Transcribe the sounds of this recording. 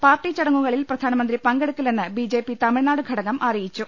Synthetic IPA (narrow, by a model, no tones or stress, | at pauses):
paːrʈit͡ɕɐɽɐŋːuɣɐɭilprɐd̪ʱaːnɐmɐnd̪ripɐŋɡeɽukːilenːɨbid͡ʑe̞ːpːit̪ɐmiɻnaːɽɨɡʱɐɽɐɣɐmʔɐrijit͡ɕːu